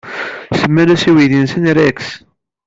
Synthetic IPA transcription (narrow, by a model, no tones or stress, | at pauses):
səmːænæsiwiðinsənɾæks